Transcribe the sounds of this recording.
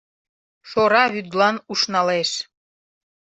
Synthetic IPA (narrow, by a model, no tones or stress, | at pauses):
ʃoɾɑβyd̪lɑnuʃnɑleʃ